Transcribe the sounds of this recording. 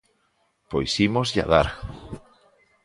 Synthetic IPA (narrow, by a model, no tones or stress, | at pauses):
pojsimozʎa̰ðaɾ